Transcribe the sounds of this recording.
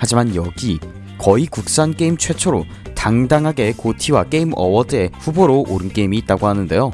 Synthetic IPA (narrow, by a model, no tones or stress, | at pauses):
had͡ʑimanjʌɡi | kʌikuk̚s͈ank͈e̞imt͡ɕʰwe̞t͡ɕʰoɾo | taŋdaŋɦaɡe̞kotʰiwak͈e̞imʌ̰wʌdɯe̞ɸuboɾoʔoɾɯnk͈e̞imiːt̚t͈aɡohanɯnde̞jo